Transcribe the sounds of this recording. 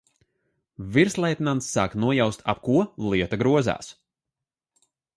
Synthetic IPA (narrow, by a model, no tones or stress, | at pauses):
viɾslˠɛjt̪nant̪sːaːknuɔjawst̪ʰa̰p̚kuɔlˠiɛt̪aɡɾuɔza̰ːs